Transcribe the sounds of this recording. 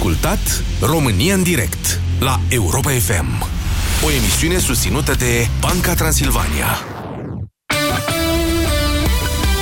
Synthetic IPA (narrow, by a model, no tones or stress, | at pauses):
kult̪at̪ | ro̞mɨnijaɨnd̪iɾe̞̰kt̪ | lae̞uɾo̞pae̞fe̞̰m | o̞e̞misiune̞sust̪sinut̪əd̪e̞b̥aŋkat̪ɾansilva̰nḭa̰